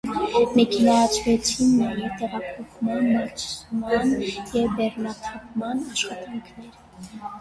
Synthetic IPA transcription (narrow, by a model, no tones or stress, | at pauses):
mɛkʰɛnɑːt͡sʰvɛt͡sʰinmɑɾit̪ɛʁɑpʰɔχmɑnmɑɾt͡ʃʰsumɑnjɛvbɛrnɑt̪ʰɑp̚mɑnɑʃχɑt̪ɑŋkʰnɛɾə